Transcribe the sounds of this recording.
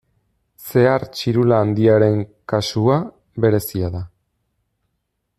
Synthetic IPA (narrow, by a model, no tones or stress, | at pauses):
se̞aɾt͡ʃiɾulaːnd̪iaɾe̞ŋkasua | βe̞ɾe̞siaða